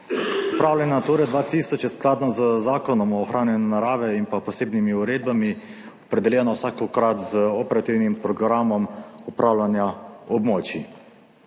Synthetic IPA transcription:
upɾaːwlʲanat̪oːɾɛd̪ʋaːt̪iːsɔt͡ʃjɛsklaːd̪nɔzəzaːkɔnɔmɔːxɾaːnjɛnɛnaɾaːʋɛinpapɔseːbnimiuɾeːd̪̚bami | ɔpɾɛd̪ɛljɛnɔwsaːkɔkɾat̪zəɔpɛɾat̪iwnimpɾɔɡɾaːmɔmupɾʔaːwlʲanjaɔbmoːt͡ʃi

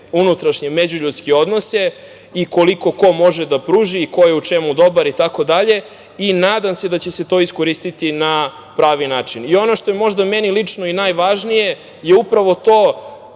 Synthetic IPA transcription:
unut̪ɾaʃɲemed͡ʑuʎuːt̪skeo̞d̪no̞se̞ | iko̞liko̞ko̞mo̞ʒed̪apɾuːʒiːko̞je̞ut͡ʃe̞mud̪o̞baɾit̪ako̞d̪aʎe̞ | inaːd̪amse̞d̪at͡ɕese̞t̪o̞ːisko̞ɾist̪it̪ina | pɾaːʋinaːt͡ʂinio̞no̞ʃt̪o̞je̞mo̞ʒd̪amenilit͡ʂno̞inajʋaʒnije̞ | je̞upɾaʋo̞t̪o̞ː

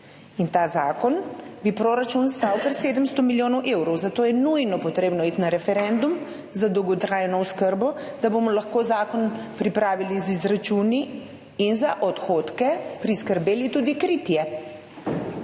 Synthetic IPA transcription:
int̪aːzaːkɔnbipɾoːɾat͡ʃunst̪aːwkəɾseːd̪əmst̪ɔmiljoːnɔwʔewɾɔwzat̪oːjɛnujnɔpɔt̪ɾeːbnɔiːt̪naɾɛfɛɾɛnd̪um | zad̪ɔwɡɔt̪ɾaːjnɔwskəɾbɔ | d̪̥abomɔlaxkoːzaːkɔnpɾipɾaːʋilizizɾat͡ʃuniː | nzaʔɔt̪xoːt̪kɛpɾiskəɾbeːlit̪uːd̪ikɾiːt̪jɛ

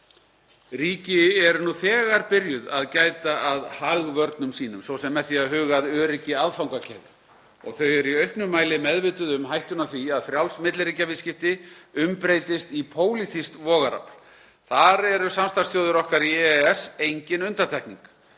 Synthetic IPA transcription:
ɾiːcɪɛɾnuθɛːɣaɾpɪɾjʏðaðcaːjt̪aʔaðhaɣvœɾt̪nʏmsiːnʏmsɔwsɛmːɛðθiaðɦʏːɣaðœːɾɪcɪaðfawŋkacʰɛ̰ɣðʏ | ɔ̰ɣθœɥɛɾiœɥhpnʏmaːjlɪmɛðvɪːt̪ʏðʏmɦajht̪ʏnaθviaðfɾjawlsmɪt̪lɾiːcavɪscɪft̪ɪʏmpɾejt̪ɪst̪ipʰoːwlit̪ʰist̪vɔːɣaɾa̰pl̥ | θaɾɛɾʏsamst̪asθjowðʏɾɔhkaɾiɛɛsejɲcɪnʏnt̪at̪ʰɛhkniŋk

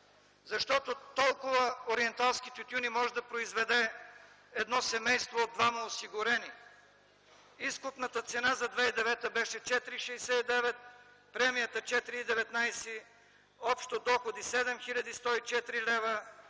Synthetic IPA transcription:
zɐʃt̪ɔt̪ot̪ɔlˠkʊvəoɾiɛnt̪alˠskit̪ʲut̪ʲjunimɔʒɛd̪ɐpɾoizvɛd̪ɛ | ɛd̪nɔsɛmɛjst̪voːd̪vaməosiɡʊɾɛni | iskʊpnət̪ət̪sɛnazɐd̪vɛid̪ɛvɛt̪əbɛʃɛt͡ʃɛt̪iɾiʃɛjsɛid̪ɛvɛt̪̚ | pɾɛmijət̪ət͡ʃɛt̪iɾiːd̪ɛvɛt̪najsi | ɔpʃt̪od̪ɔxod̪isɛd̪ɛmxilʲɐd̪ist̪ɔit͡ʃɛt̪iɾilɛvə

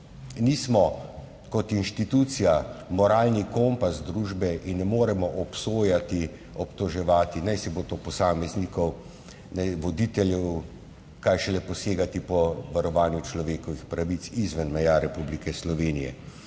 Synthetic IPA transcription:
niːsmɔ | kɔt̪inʃt̪it̪ut̪sijamɔɾaːlnikompasd̪ɾuːʒbɛʔinːɛmoːɾɛmɔʔɔpsoːjat̪i | ɔpt̪ɔʒɛʋaːt̪inajsɛbot̪opɔsaːmɛznikɔw | nɛʋɔd̪it̪ɛljɛw | kajʃɛlɛpɔseːɡat̪ipɔʋaɾɔʋaːnjut͡ʃlɔʋeːkɔʋixpɾaʋit̪sizʋənmɛjaɾɛpublikɛslɔʋeːnijɛ̰

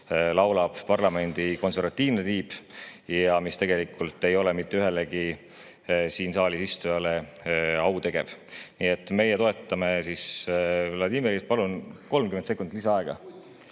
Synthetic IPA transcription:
lɑwlɑb̥pɑrlɑme̞nʲd̪̥iko̞nse̞rɾvɑt̪ːˑiːvnet̪iːbjɑmist̪e̞ɡe̞likːˑult̪ːˑe̞jo̞lemit̪ːeyɦe̞leɡi | siːnsɑːlisist̪ujɑle | ɑwt̪e̞ɡ̥e̞v̥niːet̪ːˑme̞jet̪o̞e̞t̪ːˑɑmesis | lɑd̪iːmeɾispɑlunko̞lmkyment̪se̞kːˑund̪lisɑɑe̞ɡ̥ɑ̰

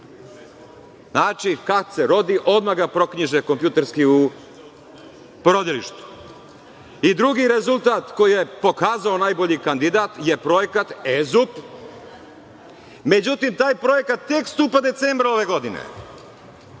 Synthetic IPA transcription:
znaːt͡ʃikakseɾo̞d̪iʔo̞d̪maɡapɾo̞kɲiʒeko̞mpjut̪eɾskiu | pɾo̞d̪iliʃt̪u̥ | id̪ɾuɡiɾe̞zulˠt̪aːt̪ko̞jijepo̞kaːzao̞naːjbo̞ʎikand̪id̪aːt̪je̞pɾo̞jekat̪ezup | me̞d͡ʑut̪imt̪aːjpɾo̞je̞kat̪ːekst̪uːpad̪et̪seːmbɾao̞ʋe̞ɡo̞d̪inḛ

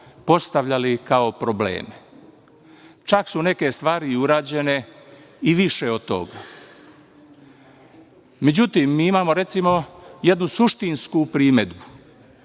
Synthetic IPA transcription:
po̞st̪aʋʎalikao̞pɾoblḛːme | t͡ʃaksuneke̞st̪ʋaːɾiuɾaːd͡ʑe̞ne̞ | iʋiʃe̞ot̪o̰ɡa | me̞d͡ʑut̪iːmːiːimaːmoɾe̞t̪simo̞je̞d̪nusuʃt̪inskupɾiːme̞d̪bu

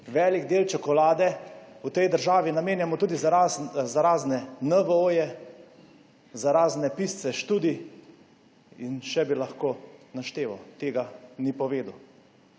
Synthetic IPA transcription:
ʋɛliɡd̪eːlt͡ʃɔkɔlaːd̪ɛut̪ɛjd̪əɾʒaːʋinameːnjamɔt̪uːd̪izzaɾaːznɛnəʋəojɛ | zaɾaːznɛpist̪sɛʃt̪uːd̪i | inʃɛbilaxkoːnaʃt̪eːʋawt̪eːɡanipɔʋeːd̪uw

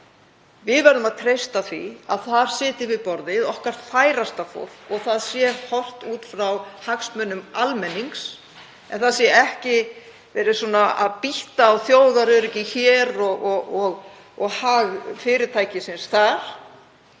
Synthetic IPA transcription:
vɪðvɛɾðʏmaðt̪ʰɾejst̪aθvḭa̰ðθaɾ̥sɪːt̪ɪvɪðpɔɾðɪðɔhkaɾ̥t̪faːjɾast̪afo̰θɔɣθaðsjɛhɔr̥t̪uːt̪fɾawhaksmœnːʏmalmɛnːiŋks | ɛ̰nθasjɛɛhcɪ | vɛɾɪsuːnaa̰ðpiht̪aːwθjoːwðaɾʏɾɪcɪçɛɾɔɣɔɔɣ | ɔɣhaɣfɪːɾɪɾt̪ʰaːjcɪsɪnsθaɾ̥

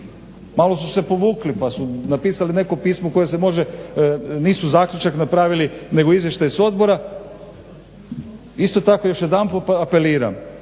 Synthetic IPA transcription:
maːlo̞suse̞po̞ʋuːklipasunapiːsaline̞ko̞piːsmouko̞jesemo̞ʒe | niːsuzaːkʎʲut͡ʃaknapɾaːʋiline̞ɡoizʋje̞ʃt̪ajiso̞d̪bo̞ɾa | ist̪ot̪ako̞jo̞ʃjed̪ampopape̞liːɾa̰m

